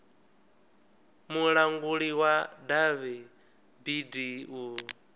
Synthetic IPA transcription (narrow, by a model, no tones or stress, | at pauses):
muɺaŋɡuɺiwadaβɛ | bidiu